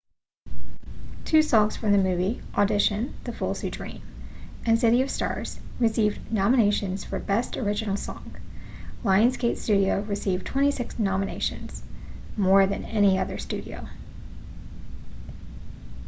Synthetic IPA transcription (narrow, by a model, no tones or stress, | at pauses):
tʰʉsɔ̃ŋz̥fɹʌ̃mðɨmʉviʔədɪʃɨ̃nðɨfʊlˠsʉdɹḭ̃mʔɨ̃nsɪɾiʌv̥stɑ̰ɹz̥ɹɨsivnɑməneɪʃɨ̃nz̥fə˞bɛstə˞ɪd͡ʒɨnl̩ˠsɔ̰̃ŋ | laɪɨ̃nsɡeɪtstʉɾioʊɹɨsivtʰw̥ɛ̃ɾ̃isɪksnɑmɨneɪʃɨ̰̃nz̥mɔɹðɨ̰̃nɛñiʌðə˞stʉɾio̰ʊ